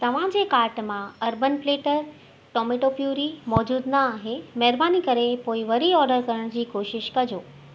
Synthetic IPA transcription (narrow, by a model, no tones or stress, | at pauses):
t̪ɐʋ̤ãd͡ʑeːkaːɾʈmãɐɾbənfleːʈəɾ | ʈɔːmeʈopjuːɾimɔːd͡ʑuːd̪nɐaːɦemɛɦɾbaːnikɐɾepoːɪʋɐɾiɔːɖəɾkɐɾəɽ̃d͡ʑiːkoːʃɪʃkɐd͡ʑoː